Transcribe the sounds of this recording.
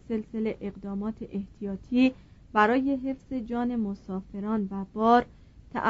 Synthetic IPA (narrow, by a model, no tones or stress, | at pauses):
se̞lse̞le̞ʔeɣd̪ɒːmɒːt̪ʰeʔeht̪ʰijɒːt̪ʰiː | bæɾɒːje̞ɦe̞fz̥e̞d͡ʒɒːne̞mosɒːfe̞ɾɒːnvæb̥ɒːɾ | t̪ʰæ̰ʔ